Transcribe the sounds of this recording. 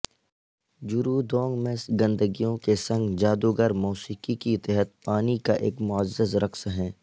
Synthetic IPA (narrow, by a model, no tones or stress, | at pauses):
d͡ʒʊɾud̪ɔːŋɡmẽsɡɐ̃nd̪əɡijõkesɐ̃ŋɡd͡ʒaːd̪uɡəɾmɔːsiːkikit̪ɛɦət̪̚paːnikaʔḛːkmʊəd͡ʒzəzɾɐkʰsɦɛ̃ː